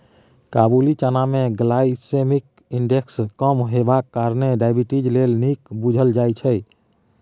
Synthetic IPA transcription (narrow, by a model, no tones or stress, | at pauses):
kabulit͡ʃanamẽɡlaisemik | iɳɖekskəmɦebakːaɾneɖaɪbiʈid͡ʒlelnikbud͡ʒʱəld͡ʒajt͡ʃʰɛj